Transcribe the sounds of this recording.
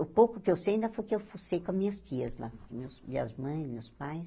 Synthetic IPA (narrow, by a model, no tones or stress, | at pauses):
ʊpowkʊkɪewsejĩnd̪ɐfojkɪewfusejkõmĩɲɐst̪iɐzla̰pʊɾkɪmewsmĩɐ̰zmɐ̃j̃zmewspajs